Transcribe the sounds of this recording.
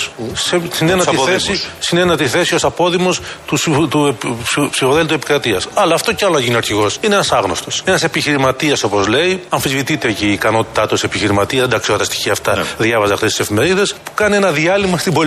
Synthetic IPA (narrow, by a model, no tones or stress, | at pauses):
sesinenɐiθesisinenɐt̪iθe̞sio̞sɐpo̞ðimo̞st̪ut̪upsifoðelt̪uepi̥kɾɐt̪iɐsɐlɐːft̪o̞ceɐlonɐʝiniɐɾçiɣo̞sineenɐsɐɣno̞st̪o̞senɐse̞piçiɾimɐt̪iɐso̞po̞zle̞iɐɱfizvit̪it̪eceiːkɐno̞t̪i̥t̪ɐt̪usepiçiɾimɐt̪iɐzed̪ɐksiot̪t̪ɐst̪i̥çiɐːft̪ɐðʝɐvɐzɐxt̪est̪isefime̞ɾiðe̞spu̥kɐnie̞nɐðiɐlimɐst̪ibo